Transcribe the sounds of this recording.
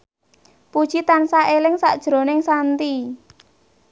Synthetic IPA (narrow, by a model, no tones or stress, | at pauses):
pud̥ʒ̥it̪ansaʔelɪŋsa̰ʔd̥ʒ̥ɾo̤nɪŋsant̪i